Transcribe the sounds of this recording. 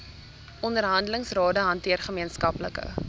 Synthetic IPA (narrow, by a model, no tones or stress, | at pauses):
ɔndərɦɐndələŋsrɑːdəɦɐntiərχəmiənskɐpləkə̰